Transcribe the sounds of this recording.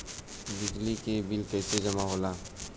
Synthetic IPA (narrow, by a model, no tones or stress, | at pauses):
bɪd͡ʒlikebɪlkɛːsed͡ʒɐmaɦoːlaː